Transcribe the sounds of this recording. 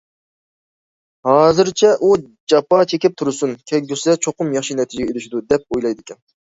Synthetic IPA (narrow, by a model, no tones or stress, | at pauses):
hɑːzɨɾt͡ʃʰɛʔu | d͡ʒɑpɑt͡ʃʰekʲɪp̚t̪ʰuɾɨsunkʲʰɛkʲɡʲysɪd̪ɛt͡ʃʰoqʊmjɑχʃinɛt̪ʰid͡ʒɪɡʲɛelɪʃid̪ud̪ɛp̚ojlˠɑjd̪ɪkʲʰɛn